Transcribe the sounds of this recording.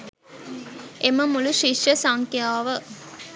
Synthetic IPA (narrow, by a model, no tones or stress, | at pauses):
ʔeməmuluʃiʂjɐsaŋkjaːʋə